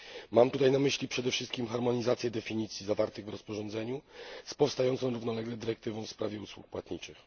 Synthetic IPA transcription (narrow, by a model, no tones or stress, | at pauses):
mamt̪ut̪ajnamɘɕlʲipʂɛd̪ɛfʂɘst̪kʲimxaɾmɔɲizat̪sʲjɛd̪ɛfʲiɲit̪sʲjizavaɾt̪ɘɣvɾɔspɔʐɔnzɛɲuspɔfst̪ajɔnt̪ɔ̃w̃ɾuvnɔlɛɡlɛd̪ɘɾɛk̚t̪ɘvɔ̃w̃fspɾavʲjɛuswṵk̚pwat̪ɲit͡ʂɘx